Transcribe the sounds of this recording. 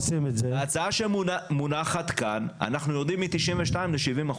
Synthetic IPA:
simetzeat͡saaʃemunaχat̪kana̰naχnujoʁd̪imːit̪iʃimveʃtaimleʃivimaχ

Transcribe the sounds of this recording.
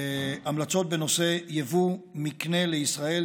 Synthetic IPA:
amlat͡so̞t̪̚beno̞se̞jevumikne̞leisʁae̞

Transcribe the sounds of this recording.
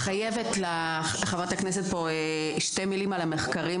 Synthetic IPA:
χajevetla | χavʁat̪aknes̬et̚poe | ʃte̞milimalameχkaʁim

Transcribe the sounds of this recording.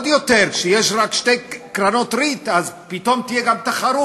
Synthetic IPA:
d̪jot̪eɾkʃejeʃʁakʃt̪ejkɾanot̪ɾit̪azpit̪o̞mt̪ijeɡamt̪aχaɾu

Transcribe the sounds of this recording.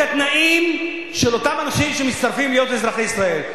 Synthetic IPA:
at̪naʔim | ʃelo̞t̪amanaʃimʃemit͡st̪aʁfimljot̪lezɾaχeisʁael

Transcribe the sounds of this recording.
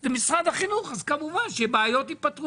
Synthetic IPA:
zemisʁad̪aχinuχazkamuvanʃebaajot̪ipat̪ʁu

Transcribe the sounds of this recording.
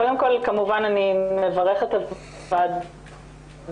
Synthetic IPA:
kodemko̞lkamuvananimevaʁeχet̪az | vad̪

